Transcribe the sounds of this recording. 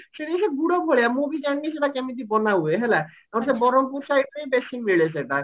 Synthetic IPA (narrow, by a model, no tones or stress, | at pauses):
ʃeʈieʃeɡuɽobʱoɭeamobʱid͡ʑanːiʃeʈakɛmid̪ibɔnaueɦɛle | ɛonʃebɔɾompuɾʃajʈejbeʃimiɭeʃ̬eʈa